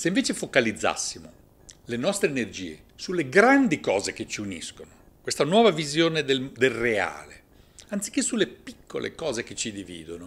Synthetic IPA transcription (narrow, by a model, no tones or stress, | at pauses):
seĩɱveːt͡ʃefokalid̪zːa̰sːimo | lenɔst̪ɾeːnerd͡ʒḭːḛ | sulːeɡɾand̪ikɔːzek̟et͡ʃiunḭskono | kwest̪anwɔːvavizjoːned̪eld̪elrea̰ːle | ant̪si̥k̟ːesːulːepi̥kʰːo̰lʔḛkɔːzeket͡ʃːid̪ivḭːd̪ono